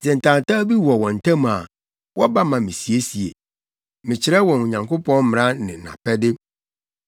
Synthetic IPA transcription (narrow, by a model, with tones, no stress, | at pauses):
sɛ˨n̩˨tʰã˨n˨ta˦bi˦wɔ˨wɔ̃˨n̩˨tʰã˦m˨a˨ | wʔɔ˦ba˦mã˨mɪ̃˨si˨e˦si˨ḛ˨ | mɪ̃˨t͡ɕʰɪ˨ɾɛ˦wɔ̃˨n˨ɲã˨ŋkʰo˦pʰɔ̃˦n˦m̃˨ɾã˦nɪ̃˨nã̰˨pʰɛ˦dɪ˦